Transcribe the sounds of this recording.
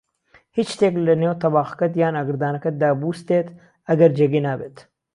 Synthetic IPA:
hit͡ʃt̪eːklɐnewt̪ɐbaːxkɐt̪̬jaːnɐɡɾd̪aːnɐkɐt̪̚d̪aːbuːst̪eːt̪ | ɐɡɐɾd͡ʒeɡinaːbet̪

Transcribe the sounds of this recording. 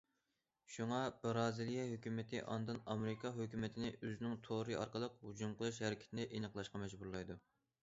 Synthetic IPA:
ʃuŋɑb̥ɨɾɑːzɨlijɛɦøkʲymɪt̪ʰɪ̰ʔɑ̰nd̪ɨnɑmɾɪkʰɑɦøkʲymɪt̪ʰɪnɪʔøzɪnɪŋt̪ʰoɾɨɑ̰ɾqəlˠəqhud͡ʒumqʰəlˠɨʃ̬hɛɾɪkʲi̥t̪ʰɪnɛʔenəqlˠɑʃqɑmɛd͡ʒbuɾlˠɑjd̪u

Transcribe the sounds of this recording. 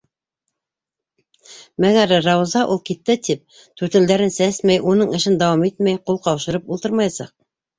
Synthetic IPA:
mæɡæɾːɑwzɑʔulˠkit̪ːɘt̪ip̚ | t̪ʰʉɾt̪ɘ̆ld̪æɾɘnsæsmæjʔunɤɴɘ̆ʃɘnd̪ɑwɑmit̪mæjqulˠqɑwʃɤ̆ɾɤpulˠt̪ɤɾmɑjsɑq̚

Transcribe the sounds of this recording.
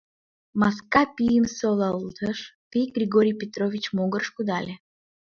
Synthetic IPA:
mɑs̬kɑpʲijəmsolˠɑlˠd̪əʃtijɡrʲiɡoɾʲijpʲet̪rovʲit͡ɕmoɡərʃkud̪ɑlʲe

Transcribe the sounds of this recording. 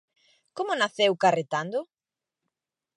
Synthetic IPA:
komʊnaθewkaret̪and̪ʊ

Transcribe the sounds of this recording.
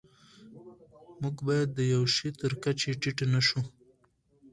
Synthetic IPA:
muɡbɑjad̪ːəjawʃit̪əɾkat͡ʃeʈiʈenaʃu

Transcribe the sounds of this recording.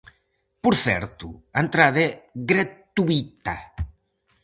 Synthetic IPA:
puɾθɛ̰ɾt̪uant̪ɾaðeɣɾat̪uit̪a̰

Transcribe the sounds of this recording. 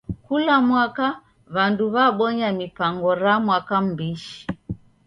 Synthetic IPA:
kulamwaka | βanduβaɓɔɲamipaŋɡɔɾamwakam̩biʃi̥

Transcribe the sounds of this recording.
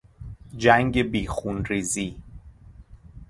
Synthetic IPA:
d͡ʒæŋɡebiːxunɾiːziː

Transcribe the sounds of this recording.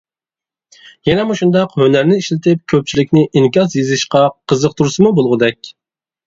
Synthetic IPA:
jɛnɛmuʃund̪ɑqhønæɾnɪiʃlɪt̪ʰɪp̚kʲʰøp̚t͡ʃʰilɪkʲnɪʔiŋkʲɑsjezɪʃqɑqʰəzəq̚t̪ʰuɾsɨmubolˠʁʊd̪ɛkʲ

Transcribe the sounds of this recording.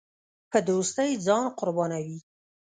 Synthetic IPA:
pəd̪ost̪əjd͡zɑnqʊɾbɑnawi

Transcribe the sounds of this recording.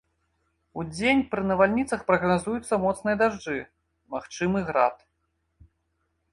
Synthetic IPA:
ud͡zʲenʲpɾɨnɐvalʲnʲit̪sɐxpɾɐɣnazujut̪sːɐmɔt̪snɨjɐd̪aʐd͡ʐɨ | maxt͡ʂɨmɨɣɾat̪

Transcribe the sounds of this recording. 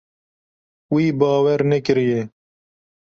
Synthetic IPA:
wiːbɑːwɛɾnekɪɾije

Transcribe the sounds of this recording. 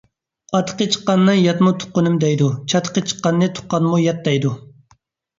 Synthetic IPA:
ɑt̪ʰqət͡ʃʰə̥qːɑnːɨŋjɑt̪mut̪ʰʊ̥qːʊnɨmd̪ɛjd̪ut͡ʃʰɑt̪ʰqət͡ʃʰə̥qːɑnːɨt̪ʰʊ̥qːɑnmujɑt̪̚d̪ɛjd̪u

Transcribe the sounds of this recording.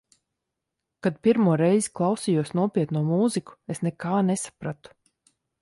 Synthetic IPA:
kad̪̚pʲiɾmuɔɾɛjziklˠawsijuɔsnuɔpʲiɛt̪nuɔmuːziku̥esnɛkaːnesḁpɾat̪u̥

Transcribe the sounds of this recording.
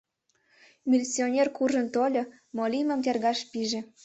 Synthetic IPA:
mʲilʲsionʲerkuʒə̆nt̪olʲɤ̆ | molʲimə̆mt̪erɣɑʃpiʒĕ

